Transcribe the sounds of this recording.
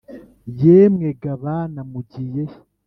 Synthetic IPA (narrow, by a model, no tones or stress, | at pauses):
jeːmŋeɡaβanamuɟije